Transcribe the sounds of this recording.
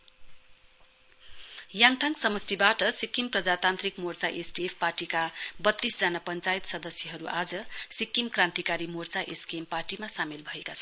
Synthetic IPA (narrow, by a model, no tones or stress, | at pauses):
jaŋt̪ʰaŋksʌmʌstibaʈʌsikːimprʌd͡zat̪ant̪rikmort͡saʔesʈiepʰparʈikabʌt̪ːisd͡zanapʌnt͡sajt̪sʌd̪ʌsjʌɦʌɾuʔad͡zʌsikːimkrãnt̪ikaɾimort͡saʔeskemparʈimasamilbʱʌekat͡sʰʌn